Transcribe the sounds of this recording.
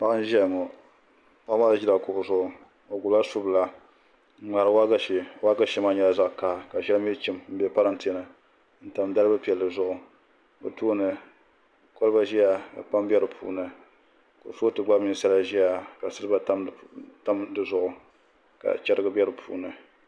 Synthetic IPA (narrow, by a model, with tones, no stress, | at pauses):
pa˦ʔa˦n̩˦ʒɛ˦˨ŋɔ˨ | pa˦ma˦lʒi˦la˨kʊ˨ʔʊ˨zʊ˦ʔʊ˨ | o˨ɡu˨la˦su˦bla˨˦ | ŋ͡ma˨ɾɨ˨wa˦ɡa˦˨wa˦ɡa˦ʃɛ˦ma˦ɲɛ˦la˨za˦ʔka˦˨ka˨ʒɛ˦lmi˦t͡ʃi˦m˦m̩˦bɛ˨pa˦ɾɨ˦n̩˨tɨ˨˦ɛ˨nɨ˨ | n̩˦ta˨mda˦ɾɨ˦bɨ˦pi˨ɛ˨lːɨ˨zʊ˦ʔʊ˨ | bɨ̰˨tu˦nɨ˨ | kɔ˦lɨ˦ba˦ʒi˦ja˨ka˨pa˦mbʲɛ˦ɾɨ˨pʰṵː˦nɨ˨ | ko̰˨so˦tɨ˨ɡ͡ba˦bɲi˨sa˦la˦ʒi˦ja˨ka˨sɨ˦lɨ˦ba˦ta˦mta˦mdɨ˨zʊ˦˨ʔʊ˨ | ka̰˨t͡ʃɛ˦ɾɨ˦ɡɨ˦bʲɛ˦ɾɨ˨pʰṵː˦nɨ˨